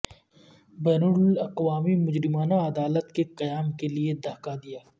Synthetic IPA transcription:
bɛːnʊlɐqwaːmimʊd͡ʒɾɪmaːnaɐd̪aːlət̪keqɐjaːmkelied̪ʱaːkad̪ijaː

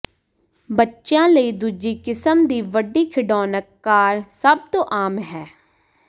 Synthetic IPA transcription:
bətːʃãːləiːd̪uːd͡ʒiːkɪsəmd̪iːʋəɖiːkʰɪɖɔːnəkːaːɾsəb̚t̪õːʔaːmɦɛː

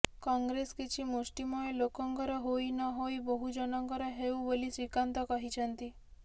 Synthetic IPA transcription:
kɔŋɡɾeskit͡ʃʰimusʈimɔelokɔŋkɔɾɔɦoinɔɦoibɔɦud͡ʒɔnɔŋkɔɾɔɦeũbolisʋikant̪ɔkɔɦit͡ʃʰənt̪i

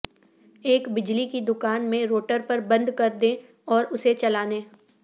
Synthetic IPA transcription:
eːkbɪd͡ʒlikid̪ʊkaːnmẽɾoːʈəɾpɐɾbɐ̃nd̪kɐɾd̪ẽ | ɔːɾʊset͡ʃɐlaːneː

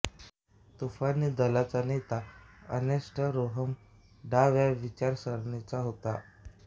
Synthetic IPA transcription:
t̪ufanːiːd̪əlat͡sanet̪aə̰neʂʈʰəɾoɦəm | ɖaʋjaʋit͡ɕaɾsəɾɳet͡saɦot̪a

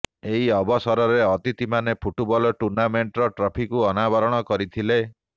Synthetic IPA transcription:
eɦiɔbɔsɔɾɔɾeɔt̪it̪imanepʰuʈubɔlɔʈuɾnameɳʈɔɾɔʈɾɔpʰikuɔnabɔɾɔɽ̃ɔkɔɾit̪ʰile

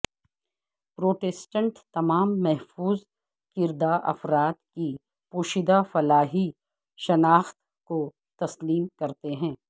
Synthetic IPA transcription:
pɾoːʈɛsʈə̃ɳʈt̪ɐmaːmːɛɦfuːz | kɪɾd̪aʔɐ̰fɾaːt̪ki | puːʃɪd̪afɐlaːɦi | ʃɐnaːxt̪ | ko | t̪ɐsliːmkɐɾt̪eɦɛ̃ː

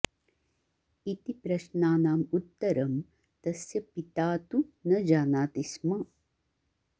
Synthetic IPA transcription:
it̪ipɾɐʃnaːnaːmut̪ːɐɾɐm | t̪ɐsjɐpit̪aːt̪unɐd͡ʒaːnaːt̪ismɐ

